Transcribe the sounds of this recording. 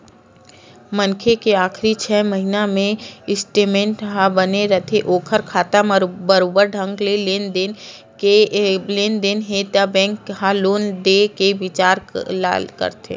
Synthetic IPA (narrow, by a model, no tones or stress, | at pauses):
mənkʰekeaːkɾit͡ʃʰɛːməɦinamẽɪsʈeːmẽɳʈɦabəneɾɐt̪ʰeʔoːkʰəɾkʰaːt̪ambəɾoːbəɾɖʱə̃ŋɡleleːnd̪en | eleːnd̪enɦeːt̪jabɛ̃ːŋkɦaloːnd̪ekeʋɪt͡ʃaːɾla̰kə̰ɾt̪ʰḛː